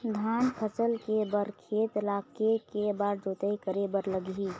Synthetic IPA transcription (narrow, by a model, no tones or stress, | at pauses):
d̪ʱanpʰəsəlkebəɾkʰeːt̪lakekebaɾd͡ʒot̪əjkəɾebəɾləɡi